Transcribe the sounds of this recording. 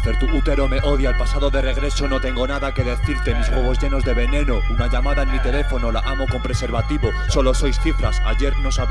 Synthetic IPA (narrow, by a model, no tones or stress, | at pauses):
θeɾt̪uut̪e̞ɾo̞me̞ʔoðjalpasaðo̞ðe̞re̞ɣ̞ɾe̞so̞no̞t̪e̞ŋɡo̞naðake̞ðe̞θiɾt̪e̞mizɣwoβ̞o̞zʝe̞no̞zðe̞βe̞nẽ̞no̞unaʝamaðaelmit̪e̞le̞fo̞no̞la̰ʔamo̞ko̞mpɾe̞se̞ɾβat̪iβo̞ | so̞lo̞so̞jsθifɾasa̰ʝe̞ɾno̞saβ